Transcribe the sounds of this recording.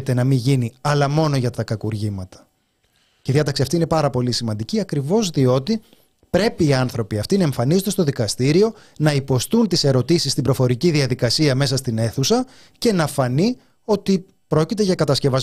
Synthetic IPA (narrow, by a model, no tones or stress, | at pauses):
t̪e̞nɐmiʝiniɐlɐmo̞no̞ʝɐt̪ɐkɐkuɾʝimɐt̪ɐ̥ | ceiðiɐt̪ɐksiɐft̪iine̞pɐɾɐpo̞lisimɐnd̪iciɐkɾivo̞zðio̞t̪i | pɾe̞piːɐnθɾo̞piɐft̪inɐe̞ɱfɐnizot̪st̪o̞ðikɐst̪iɾio̞ | nɐipo̞st̪unt̪ise̞ɾo̞t̪isist̪imbɾo̞fo̞ɾiciðiɐðikɐsiɐme̞sɐst̪ine̞θusɐ | ce̞nɐfɐni | o̞t̪i | pɾo̞cit̪e̞ʝɐkɐt̪ɐsce̞vɐz